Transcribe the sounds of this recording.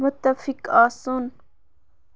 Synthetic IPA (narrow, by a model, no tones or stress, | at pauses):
mʊt̪ːafɪkaːsun